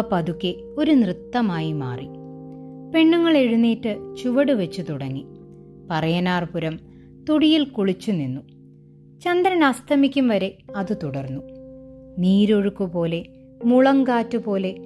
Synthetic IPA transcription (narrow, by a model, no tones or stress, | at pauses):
pːɐðukʲːe | o̞ɾunrɨt̪ːɐmaːjima̰ːri | pe̞ɳːuŋːɐɭe̞ɻunːiːʈːɨt͡ɕuʋɐɽuʋɐt͡ɕːut̪uɽɐŋːi | pɐrɐjɐnaːrpuɾɐm | t̪uɽijilkuɭit͡ɕːuninːu | t͡ɕɐnd̪ɾɐnɐst̪ʰɐmikʲːumʋɐɾe̞ɐðɨt̪uɽɐrnːu | niːɾoɻukːupo̞ːle̞ | muɭɐŋkaːtːupo̞ːle̞